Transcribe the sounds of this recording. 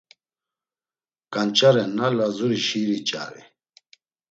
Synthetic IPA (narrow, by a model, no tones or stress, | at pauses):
kant͡ʃaɾɛnalazuɾiɕiɾit͡ɕa̰ɾḭ